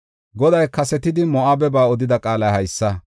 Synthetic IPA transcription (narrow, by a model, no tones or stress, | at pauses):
ɡɔd̪ɐjkɐsɛt̪ɪd̪ɪmɔʔɐbɛbaːɔd̪ɪd̪ɐkʼaːlɐjhɐjsːɐ